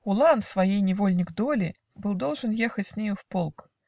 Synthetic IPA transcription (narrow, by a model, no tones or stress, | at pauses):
ʊlˠansvajejnʲɪvolʲnʲɪɡd̪olʲɪ | bɨlˠd̪olˠʐɨnjexət͡sʲsʲnʲejʊfpolˠk